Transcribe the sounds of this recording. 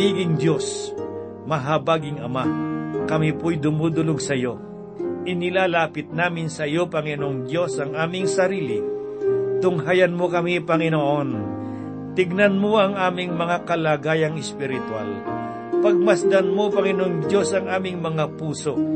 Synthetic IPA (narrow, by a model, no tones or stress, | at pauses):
iːɡɪŋd̪jo̞s | mɐɦabaːɡɪŋɐmakɐmipojd̪ʊmuːd̪ʊloɡsɐjo̞ | ʔɪnɪlaːlaːpɪt̪̚naːmɪnsɐjo̞pɐŋɪnoŋd̪jo̞sɐŋʔaːmɪŋsɐɾiːlɪ | t̪ʊŋɦajɐnmokɐmipɐŋɪnoːʔon | t̪ɪɡ̚nɐnmoɐŋʔaːmɪŋmɐŋakɐlaːɡaːjɐŋɪspɪɾɪt̪wal | pɐɡ̚mɐsd̪ɐnmopɐŋɪnoŋd̪jo̞sɐŋaːmɪŋmɐŋapuːso̞